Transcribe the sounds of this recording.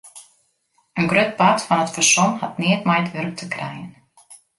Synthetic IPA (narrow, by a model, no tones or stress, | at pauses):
ənɡrøt̚patfɑnətfərsɔnhatniətmajtʋørk̚tʰəkrɛ̰jən